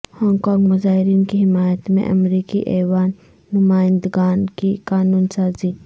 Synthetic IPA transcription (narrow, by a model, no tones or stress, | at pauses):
hɔːŋɡkɔ̃ːŋɡmʊzaːɦɪɾiːnkiɦɪmaːjət̪mḛ̃ʔɐ̰mɾiːkiʔeːwaːnː | ʊmaːɪ̃nd̪ɡaːnkikaːnuːnsaːzi